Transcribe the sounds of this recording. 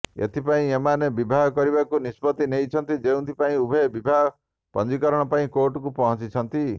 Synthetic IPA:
ḛt̪ʰipaĩemanebibʱaɦɔkɔɾibakunispɔt̪inejt͡ʃʰɔnt̪id͡ʒew̪̃t̪ʰipaĩubʱebibʱaɦ | pɔ̰nd͡ʒikɔɾɔɽ̃ɔpaĩkoʈɔkupɔɦɔ̃t͡ʃit͡ʃʰɔnt̪i

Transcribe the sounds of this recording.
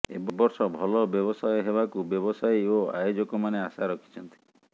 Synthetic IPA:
ḛbɔbɔɾsɔbʱɔlɔbjɔbɔsajɔɦebakubjɔbɔsajoa̰jod͡ʒɔkɔmaneasaɾɔkʰi̥t͡ʃʰɔnt̪i̥

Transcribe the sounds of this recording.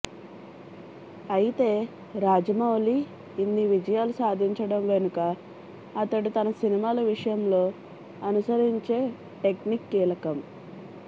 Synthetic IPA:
ɐjit̪e̞ː | ɾaːd͡ʒɐmɐwliː | nːiʋid͡ʒɐjaːlusaːd̪ʱiɲt͡ʃɐɽɐmʋenukɐː | t̪ɐʈit̪ɐnɐsinimaːlɐʋiʂɐjɐmlo̞ː | ɐnusɐɾiɲt͡ʃe̞ː | ʈe̞knikːiːlɐkɐm

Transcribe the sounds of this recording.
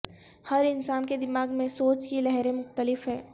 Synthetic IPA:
hɐɾɪnsaːnked̪ɪmaːɡmẽsoːt͡ʃkilɛɦɾẽmʊxt̪əlɪfɦɛː

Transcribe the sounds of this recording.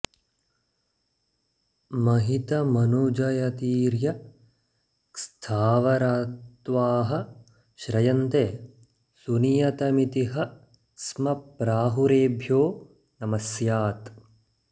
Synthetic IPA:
mɐɦit̪ɐmɐnud͡ʒɐjɐt̪iːɾjɐ | kst̪ʰaːʋɐɾaːt̪ʋaːɦɐ̆ | ʃɾɐjɐnt̪eː | sunijɐt̪ɐmit̪iɦɐ | smɐpɾaːɦuɾeːbʱjoː | nɐmɐsjaːt̪

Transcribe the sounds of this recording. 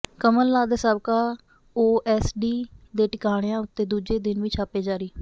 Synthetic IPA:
kəməlːaːd̪səbkaː | oːʔɛːsɖiːd̪eːʈɪkaːɽ̃jãːʊt̪ːeːd̪uːd͡ʒeːd̪ɪnʋit͡ʃʰaːpeːd͡ʒaːɾiː

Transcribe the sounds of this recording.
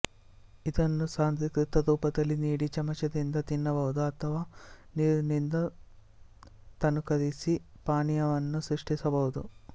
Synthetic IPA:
id̪ɐnːusaːnt̪ʋikɾit̪ːɐd̪uːpɐd̪ɐlːiniːɽit͡ʃɐmɐt͡ʃɐd̪ind̪ɐt̪inːɐbɐɦud̪uɐt̪ʰɐʋaːniːɾunind̪ɐ | t̪ɐnukɐɾisi | paːnijɐʋɐnːusɾuʂʈisɐbɐɦud̪u

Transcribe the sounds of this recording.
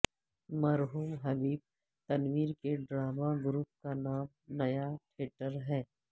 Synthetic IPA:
mɐɾɦuːmɦɐbiːb̚ | t̪ɐnʋiːɾkeɖɾaːmaɡɾuːp̚kanaːm | nɐjaʈʰeːʈəɾɦɛː

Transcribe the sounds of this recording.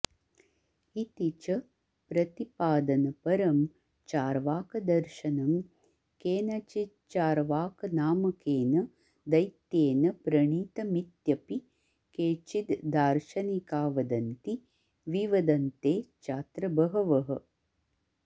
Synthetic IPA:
it̪it͡ʃɐ | pɾɐt̪ipaːd̪ɐnɐpɐɾɐm | t͡ʃaːɾʋaːkɐd̪ɐɾʃɐnɐm | keːnɐt͡ʃi | t͡ʃaːɾʋaːkɐnaːmɐkeːnɐ | d̪ɐjt̪jeːnɐpɾɐɳiːt̪ɐmit̪jɐpi | keːt͡ʃit̪d̪aːɾʃɐnikaːʋɐd̪ɐnt̪i | ʋiʋɐd̪ɐnt̪eːt͡ʃaːt̪ɾɐbɐɦɐʋɐɦɐ

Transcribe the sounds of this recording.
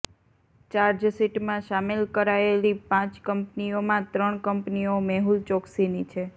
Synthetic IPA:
t͡ʃaɾd͡ʒsiʈmãʃamilkəɾaelipãt͡ʃkəmpniomãt̪ɾəɳkəmpniomɛɦult͡ʃɔksinit͡ʃʰe

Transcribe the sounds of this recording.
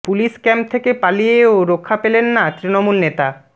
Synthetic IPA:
puliʃkɛmp̚t̪ʰekepalijeoɾokʰːapelenːat̪ɾinomulnet̪a

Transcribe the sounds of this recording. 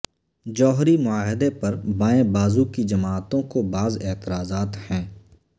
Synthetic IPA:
d͡ʒɔːɦɾimʊaːɦɪd̪epɐɾbaːẽbaːzukid͡ʒɐmaːt̪õkobaːzɪːt̪ɪɾaːzaːt̪hɛ̃ː

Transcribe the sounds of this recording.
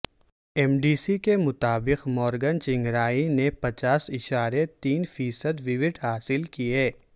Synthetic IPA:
ɛmɖiːsikemʊt̪aːbɪqmɔːɾɡənt͡ʃɪ̃ŋɡɾaːinepɐt͡ʃaːsɪʃaːɾet̪iːnfiːsəd̪ʋɪʋɪʈɦaːsɪlkieː

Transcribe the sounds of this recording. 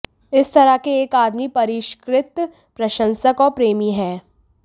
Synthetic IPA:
ɪst̪ɐɾakeeːkaːd̪mipɐɾɪʃkɾɪt̪ | pɾɐʃə̃nsəkɔːɾpɾeːmiɦɛ̃ː

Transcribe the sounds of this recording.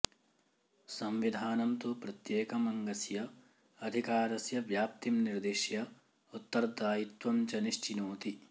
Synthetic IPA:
sɐmʋid̪ʱaːnɐmt̪upɾɐt̪jeːkɐmɐŋɡɐsjɐ | ɐd̪ʱikaːɾɐsjɐʋjaːp̚t̪imniɾd̪eːʃjɐ | ut̪ːɐɾd̪aːjit̪ʋɐmt͡ʃɐniʃt͡ʃinoːt̪i

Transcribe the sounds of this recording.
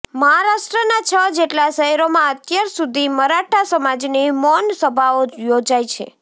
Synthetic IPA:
məɦaɾaʃʈɾənat͡ʃʰəd͡ʒeʈlaʃəɦɛɾomãət̪jaɾsud̪ʱiməɾaʈʰasəmad͡ʒnimɔnsəbʱaojod͡ʒajt͡ʃʰḛ

